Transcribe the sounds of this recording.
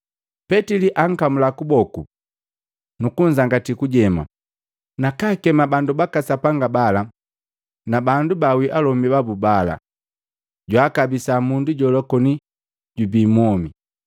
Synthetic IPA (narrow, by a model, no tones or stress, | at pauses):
pɛtiliʔaŋ̩kamulakubɔku | nukuɲ̩d͡ʒaŋɡatikuɟɛma̰ | nakaːkɛmabandubakasapaŋɡabala | nabandubawiʔalɔmbibabubala̰ | ɟwaːkabisamunduɟɔlɔkɔni | ɟubiːmɔmi